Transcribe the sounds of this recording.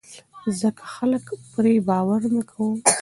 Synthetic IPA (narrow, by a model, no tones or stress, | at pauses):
zəkʰḁxaləkpɾebɑwaɾnəkʰawəm